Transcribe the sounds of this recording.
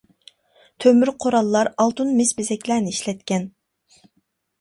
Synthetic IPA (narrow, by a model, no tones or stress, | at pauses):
t̪ʰømyɾqʰoɾɑlˠːɑɾɑlˠt̪unmɪsbɪzɛkʲlæɾnɪiʃlɛt̪̚kʲɛn